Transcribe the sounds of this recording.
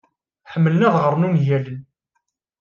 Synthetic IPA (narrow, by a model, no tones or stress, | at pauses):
ħəmːələnæðʁəɾˤnunjælən